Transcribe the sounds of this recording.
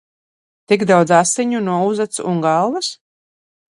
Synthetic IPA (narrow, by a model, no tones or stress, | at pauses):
t̪iɡd̪awd̪zasːiɲunuɔuzat̪suŋɡalˠvas